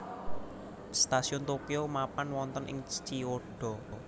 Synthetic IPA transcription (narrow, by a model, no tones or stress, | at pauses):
st̪asiʊnt̪okeomapanwɔnt̪ɔnʔɪ̰ŋst͡ʃioɖ̥ɔ̤